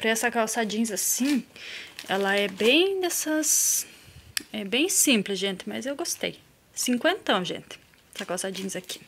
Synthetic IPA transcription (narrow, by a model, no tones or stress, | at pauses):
pɾɐɛsɐkawsad͡ʒĩzasĩ | ɛlɐɛbẽj̃d̪ɛsɐs | ɛbẽj̃sĩmplɪzʒẽnt̪ɪmɐzewɡost̪ḛj | sĩŋkwẽnt̪ɐ̃w̃ʒḛ̃nt̪ɪ̥ | ɛsɐkawsad͡ʒĩɲzaki̥